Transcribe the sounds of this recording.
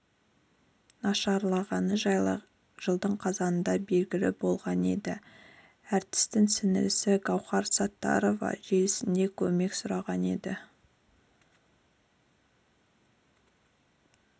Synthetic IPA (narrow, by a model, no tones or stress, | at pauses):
nɑʃɑɾlˠɑʁɑnəʒɑjlˠ | ʒ̥əlˠd̪əɴqʰɑzɑnənd̪ɑbe̞lɡʲɪlɪ̰bo̞lˠʁɑne̞̰d̪ɪ | æɾt̪ɪ̥st̪ɪŋsɪnɪ̰ɾɪsɪɡɑwχɑɾsɑt̪ːɑ̰ɾo̞vɑ̰ʒelɪsɪnd̪e̞kʲʰɵme̞ksʊɾɑʁɑne̞̰d̪ɪ